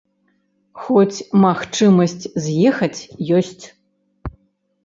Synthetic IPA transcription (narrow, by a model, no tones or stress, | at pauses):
xɔt͡sʲmaxt͡ʂɨmɐsʲt͡sʲzʲjɛxɐt͡sʲjɔsʲt͡sʲ